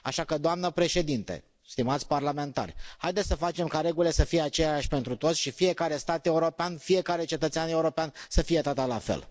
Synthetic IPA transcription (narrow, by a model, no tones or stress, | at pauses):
aʃakəd̪oamnəpɾe̞ʃe̞d̪int̪ḛ | st̪imat̪sʲparlame̞nt̪a̰rʲhajd̪et̪ʲsəfat͡ʃe̞mkaɾe̞ɡule̞səfije̞at͡ʃejjaʃʲpe̞nt̪ɾut̪o̞t̪sʲʃifije̞kaɾe̞st̪at̪e̞uɾo̞peanfije̞kaɾe̞t͡ʃe̞t̪ət̪seane̞uɾo̞peansəfijet̪at̪əlafḛl